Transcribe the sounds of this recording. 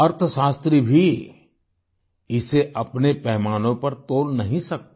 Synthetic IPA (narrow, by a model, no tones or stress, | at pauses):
ɐɾt̪ʰəʃaːst̪ɾibʱi | ɪseʔɐpnepɛɦmaːnõpɐɾt̪oːlnɐɦĩsɐk̚t̪a